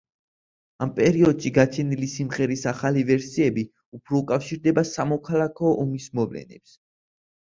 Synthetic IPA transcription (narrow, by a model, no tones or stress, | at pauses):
ampʼɛɾiɔd̪ʃiɡat͡ʃʰɛnilisimʁɛɾisaχalivɛɾsiɛbi | upʰɾɔukʼafʃiɾd̪ɛbasamɔkʰalˠakʰɔʔɔmismɔvlɛ̰nɛ̰ps